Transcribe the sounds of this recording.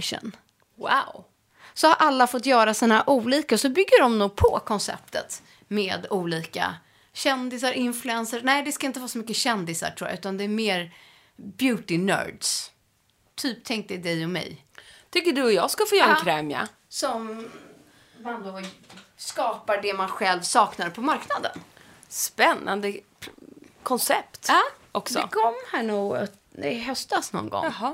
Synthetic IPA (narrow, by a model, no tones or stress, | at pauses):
ʂə̰n | wa̰ʊ | sɔhaɾʔalːafɔt̪̬ːjœːɾasɔnahaːɾʔuːliːkasɔbʏɡːəɖɔmnuːɡ̚pʰɔ̰kʰɔnsɛ̰p̚t̪ə̰t̪ | meːd̪uːliːka̰ | ɕɛnd̪ɪsaɾʔɪnflɵɛnsəɾnæɪd̪ɛskaɪnt̪əvɑːsɔmʏkːəɕɛnd̪ɪsa̰ʈʰɾuːj̰ʉ̟t̪and̪ɛæɾmeːɾ | bjʉ̟ːt̪ɪnœ̰ːɖs | t̪ʰyːp̚t̪ʰɛŋk̚t̪ɛd̪ɛjɔmɛ̰j | t̪ʰʏkːəɖɵɔjɑ̰ːskafoːjœːɾaɛnkʰɾɛːmja̰ | sɔm | mand̪oskɑːpaɖɛmanɧɛlvsɑːknaɾpʰɔmaɾknad̪ə̰n | spɛnːa̰nd̪ə | kʰɔnsɛpt̪ːʔɔksdɔɛ̰kʰɔmːhæːɳuːɡt | ɛɦœst̪asnɔ̰nɡɔ̰ɦ